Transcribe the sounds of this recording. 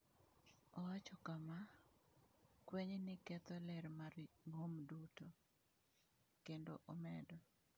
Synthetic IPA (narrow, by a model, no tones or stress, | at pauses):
ɔwat͡ʃɔkama | kweɲnɪkɛt̪ɔlɛɾmaɾŋomduto | kendoʔɔmɛdɔ